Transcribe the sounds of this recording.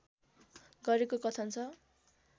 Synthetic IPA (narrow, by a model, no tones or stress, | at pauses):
ɡʌɾekokʌt͡sʰʌnt͡sʰʌ